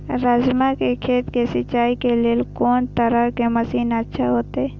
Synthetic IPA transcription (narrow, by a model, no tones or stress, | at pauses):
ɾəd͡ʒmakekʰeːt̪kesɪt͡ʃːaːikeleːlkoːnt̪əɾəkeməsiːnətːʃʰaɦoːt̪eː